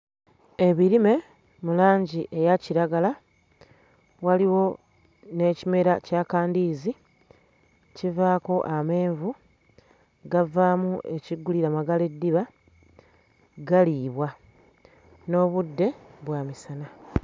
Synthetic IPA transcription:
e̞βiɾime̞ | mulaːɲɟiʔe̞jaciɾaɡala | waliwo̞ | ne̞ːcime̞ɾacakaːndiːzi | civaːko̞ʔame̞ːɱvu | ɡavaːmuʔe̞ciɡːuliɾamaɡale̞dːiβa | ɡaliːβwa | no̞ːβudːe̞βwaːmisana

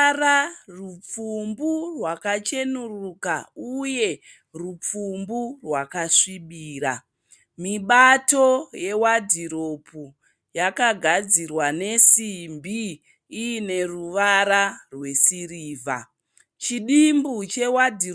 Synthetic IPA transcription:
ɾarup͡fumburwakat͡ʃe̞nurukauje̞ | rup͡fumburwakaʂiɓiːɾa | miɓato̞je̞wadʱiɾo̞pu | jakaɡʱad͡zirwane̞simbiː | ne̞ruʋaɾarwe̞siriːva̰ | t͡ʃiɗimbut͡ʃe̞wadʱi

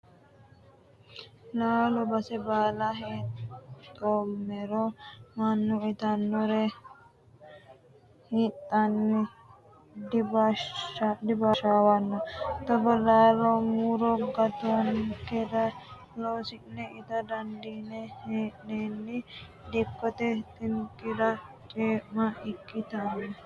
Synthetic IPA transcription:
laːlɔbɐsɛbaːlɐɦett̪ʼːomːɛɾɔmɐnːʊɪt̪ɐnːɔɾɛ | hit̪ːɐnːɪ | d̪b | d̪ɪbaʃaːwɐnːɔt̪ɐbɐlaːlɔmuɾɔɡɐt̪ɔnkɛɾɐ | loːsɪnɛɪt̪ɐd̪ɐnd̪inɛheːʔnenːɪ | d̪ɛkːɔt̪ɛt̪ʼɪnkːɪɾɐt͡ʃʼeːmɐɪkʼːɪt̪ɐnːɔ

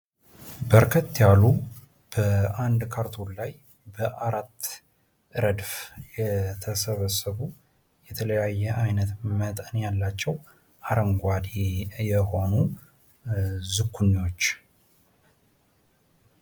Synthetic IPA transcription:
bəɾkʰət̪ːjalu | b̥əand̪kʰaɾt̪ʰullaj | bəʔaɾat̪ː | ʔɨɾəd̪fjɛt̪ʰəsəβəsəβu | jɛt̪ʰələjajːɛʔajnət̪mət̪ʼənjalːat͡ʃːɛw | aɾəŋɡʷad̪ejɛho̞nu | zɨkʰːunːiwo̞t͡ʃː

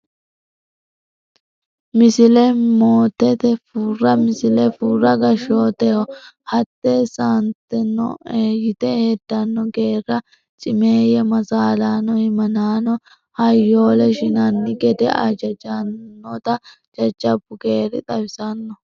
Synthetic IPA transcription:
mɪsɪlɛmoːt̪ːɛt̪ɛfurːɐmɪsɪlɛfurːɐɡɐʃoːt̪ɛhɔ | hɐt̪ːesant̪ːɛnːɔ̰eːjɪt̪ɛhed̪ːɐnːɔɡe̞ːrːɐ | t͡ʃʼɪmeːjɛmɐzaːlaːnɔhɪmɐnaːnɔ | hɐjːo̞ːlɛʃɪnɐnːɪɡɛd̪ɛ̰ʔɐ̰d͡ʒɐd͡ʒɐnːɔt̪ɐ | d͡ʒɐd͡ʒːɐbʊɡe̞ːɾɪ̰t̪ʼɐbɪsɐnːɔ

